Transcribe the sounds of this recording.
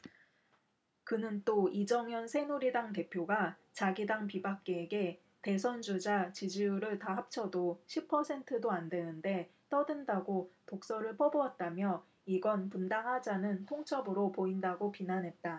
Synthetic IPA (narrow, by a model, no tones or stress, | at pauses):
kɯnɯnt͈oid͡ʑʌŋjʌnsʰe̞nuɾidaŋte̞pʰjoɡa | t͡ɕaɡidaŋpibak̚k͈eːɡe̞ | te̞sʰʌnd͡ʑud͡ʑat͡ɕid͡ʑiuɾɯɭtaɦap̚t͡ɕʰʌdoɕʰipʰːʌsʰe̞ntʰɯdoandwe̞nɯnde̞t͈ʌdɯndaɡotok̚s͈ʌɾɯɭpʰʌboʌt̚t͈amjʌ | iɡʌnpundaŋɦad͡ʑanɯntʰoŋt͡ɕʰʌbɯɾopoindaɡopinanɦe̞t̚t͈a